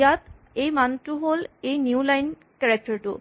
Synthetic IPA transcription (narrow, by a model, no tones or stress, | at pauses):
jat̪̚ | ejmantuɦolejnjuwlajn | kɛɹɛk̚tɔɹtʊ̰